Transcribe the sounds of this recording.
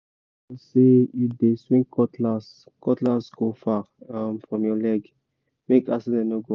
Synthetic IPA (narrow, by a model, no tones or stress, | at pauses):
asejudeswĩŋkɔtlas | kɔtlasɡofa | ãmfɹɔ̃mjɔlɛɡ | mekasidɛ̃nɔɡo